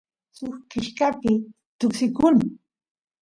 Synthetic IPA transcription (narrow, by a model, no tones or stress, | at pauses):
sʊxkɪʃkapɪ | t̪ʊksɪkʊŋ